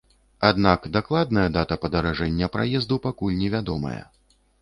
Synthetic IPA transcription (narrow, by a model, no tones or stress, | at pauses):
ad̪nakd̪aklˠad̪nɐjɐd̪at̪ɐpɐd̪ɐɾaʐɛnʲːɐpɾa̰jɛzd̪upakulʲnʲɛvʲad̪ɔmɐ̰jɐ̰